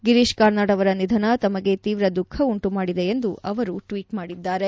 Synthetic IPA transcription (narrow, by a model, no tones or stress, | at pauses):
ɡiɾiʃkɐːɾnaːɽɐʋɐɾɐnid̪ʱɐnɐt̪ɐmɐɡe̞t̪iːʋɾɐd̪ukʰːɐuɳʈumaːɽid̪e̞end̪uʔɐʋɐɾuʈʋiːʈmaːɽid̪ːaːɾe̞